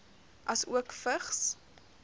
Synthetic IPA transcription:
ʔɐsuəkfəχs

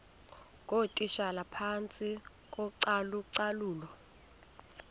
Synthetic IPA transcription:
kʼotʼiʃalapʰant͡sʼi | kʼɔǀaluǀaluːlɔ

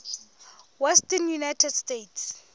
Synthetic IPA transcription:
wɛstɛnjunajtʰɛdstetʰs

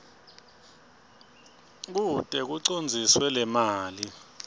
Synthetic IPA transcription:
k̬utʼɛk̬uǀond͡zʱiswɛlɛmaːli

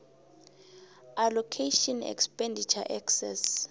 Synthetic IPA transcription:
alɔkʰeʃɔnɛ̰kspʼɛndit͡ʃʰa̰ʔɛksɛ̰s

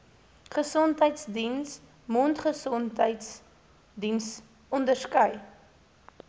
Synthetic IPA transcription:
χəsɔntɦəjtsdins | muntχəsɔntɦəjts | dins | ɔndərskœj

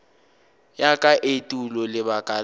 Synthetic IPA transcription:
jakʼaʔetʼulɔlɪbakʼa

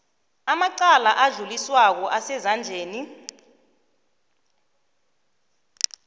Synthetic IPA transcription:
amaǀalaʔaɮuliswak̬ɔʔasɛzand͡ɮʱeːni

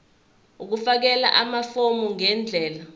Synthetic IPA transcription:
uk̬ufak̬ɛla̰ʔamafomuŋɛnd͡ɮʱɛːla

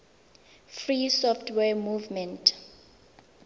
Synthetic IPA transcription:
frisɔftʰwɛmuvmɛ̃ntʰ

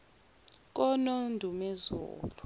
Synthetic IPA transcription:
k̬ɔnondʱumɛzṵːlu

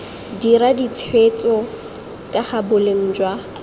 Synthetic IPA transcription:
diɾadit͡sʰwet͡sʼɔ | kʼaχabʊleŋ̩ːd͡ʒwa

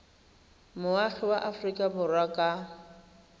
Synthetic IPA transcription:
mʊaχɛwaʔafrikʼabʊrwakʼa

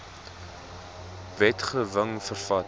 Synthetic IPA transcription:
vɛtχəvəŋfərfɐt

